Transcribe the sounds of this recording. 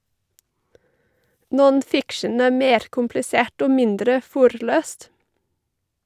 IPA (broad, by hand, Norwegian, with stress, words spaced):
ˌnɔnˈfɪkʃən ˈæː ˈmeːɾ kʊmplɪˈseːʈ ˈoː ˈmɪndɾə ˈfʊɾˌløːst